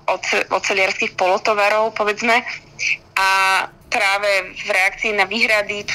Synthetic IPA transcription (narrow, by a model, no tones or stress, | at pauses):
ɔɛɔ̰t̪t͡sɛlɪaɾskixpɔlɔt̪ɔʋaɾɔʊpɔʋɛd͡zmɛ | ʔapɾaːʋɛvɾɛak̚t͡siinaʋiːɦɾad̪i